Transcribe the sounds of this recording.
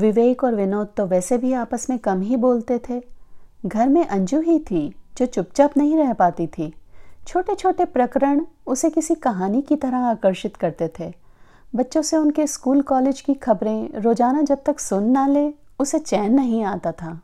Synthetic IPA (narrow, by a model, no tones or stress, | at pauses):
ʋɪʋeːkɔːɾʋɪnoːt̪̚t̪ːoʋɛːsebʱiaːpəsmẽkɐmɦiboːlt̪et̪ʰeːɡʱɐɾmẽʔɐ̃ɲd͡ʒuɦit̪ʰid͡ʒoːt͡ʃʊp̚t͡ʃəpnɐɦĩɾɛɦpaːt̪it̪ʰiːt͡ʃʰoːʈet͡ʃʰoːʈepɾɐkɾəɽ̃ʊsekɪsikɐɦaːnikit̪ɐɾəɦaːkəɾʃɪt̪kɐɾt̪et̪ʰeː | bɐtːʃõseʊnkeskuːlkɔːleːd͡ʒkixɐbɾẽɾoːd͡ʒaːnad͡ʒɐb̚t̪ɐksʊnːaleː | ʊset͡ʃɛːnːɐɦĩaːt̪at̪ʰaː